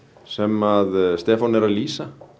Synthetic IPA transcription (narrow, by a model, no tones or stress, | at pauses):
sɛmaðst̪ɛːfɔnɛɾaðliːsa